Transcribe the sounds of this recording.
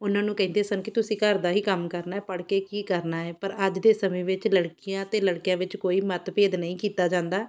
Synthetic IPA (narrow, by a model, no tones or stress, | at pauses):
ʊnãːnũːkɛ̃ĩnd̪eːsənkɪt̪ʊsĩːkəɾd̪aːɦiːkəmkəɾnaːɛːpəɽkeːkiːkəɾnaːɛːpəɾəd͡ʒd̪eːsəmẽːʋɪt͡ʃləɽkɪjãːt̪eːləɽkijãːʋɪt͡ʃkoːiːmət̪peːd̪nəĩːkiːt̪aːd͡ʒãːnd̪aː